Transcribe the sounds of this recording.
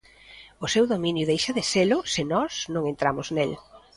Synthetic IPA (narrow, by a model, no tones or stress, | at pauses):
ʊsewðomĩnjʊðejʃaðɪselʊsɪnɔsnõŋent̪ɾamʊznel